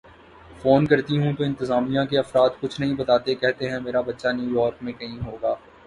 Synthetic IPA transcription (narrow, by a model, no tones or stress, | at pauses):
foːnkɐɾt̪iɦũt̪oɪ̃nt̪ɪzaːmijãkeɐfɾaːd̪kʊt͡ʃʰnɐɦĩbɐt̪aːt̪ekɛɦt̪eɦɛ̃meːɾabɐtːʃanjuːjɔːɾkmẽkɐɦĩɦoːɡaː